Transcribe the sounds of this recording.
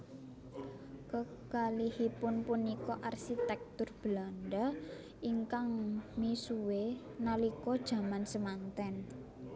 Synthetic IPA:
kə | kalihipʊnpunikɔʔarʃit̪ɛk̚t̪ʊrb̥lanɖa | ʔiŋkaŋmisuwe | nalikɔd̥ʒ̥a̤mansəmant̪ɛn

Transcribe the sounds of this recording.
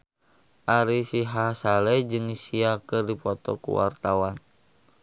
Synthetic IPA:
ʔaɾisiɦasalɛd͡ʒɨŋisiakɨrdipɔt̪ɔ̰kṵwa̰rt̪awan

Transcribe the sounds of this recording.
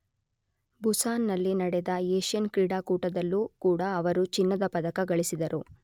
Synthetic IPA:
busaːnːɐlːinɐɽɛd̪ɐeːʃjɐnkɾiːɽaːkuːʈɐd̪ɐlːuːkuːɽɐːʋɐɾut͡ʃinːɐd̪ɐpɐd̪ɐkɐɡɐɭisid̪ɐɾu

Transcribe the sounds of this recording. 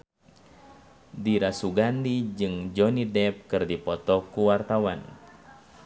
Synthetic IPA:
diɾasuɡandid͡ʒɨŋd͡ʒɔnidɛp̚kɨrdipɔt̪ɔkuwart̪awan

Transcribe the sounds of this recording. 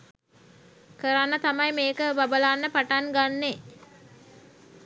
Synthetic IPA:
kəɾanːət̪amajmeːkəbabəlaːnːəpaʈaŋɡanːe

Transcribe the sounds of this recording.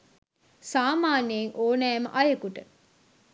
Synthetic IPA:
saːmaːneeŋʔoːnæːmə̰ʔajəkuʈə

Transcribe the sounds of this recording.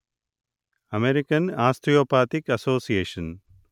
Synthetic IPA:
ɐmeɾɪkɐnaːst̪ɾijoːpaːt̪ikɐsoːsijeːʃɐn

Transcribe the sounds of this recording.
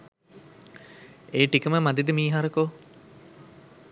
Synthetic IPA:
eːʈikəməmad̪id̪imiːɦaɾəkoː

